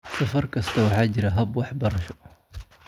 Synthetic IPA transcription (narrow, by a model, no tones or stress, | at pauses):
sɐfɐrkʰɐst̪ʰɐwɑħɑːt͡ʃɪɾɐɦɐbwɑħbɐɾɐʃɔ